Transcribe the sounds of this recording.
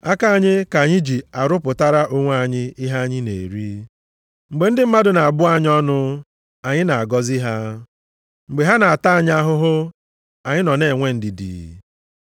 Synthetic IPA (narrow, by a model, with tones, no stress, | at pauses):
a˦ka˦a˨ɲɪ˦ka˨ɲɪ˦d͡ʒi˨a˨ɾʊ˦pʊ˨ta˦ɾa˦ʔo˦ŋʷ˦a˦˨ɲɪ˦i˦ɦa˦ɲɪ˦nḛ˨ɾi˦ | ŋ͡m̩˨ɡ͡be˨n̩˦dɪ˦m̩˦ma˦dʊ˨na˨a˨bʊ˦a˦ɲ˦ɔ˦nʊ˦ | a˨ɲɪ˦na˨a˨ɡɔ˦zi˦ɦa˦ | ŋ͡m̩˨ɡ͡be˨ɦa˦na˨a˨ta˦a˨ɲ˦a˦ɦʊ˦ɦʊ˦ | a˨ɲɪ˦nɔ˨ne˨ŋʷe˦n̩˦dɪ˨dḭ˨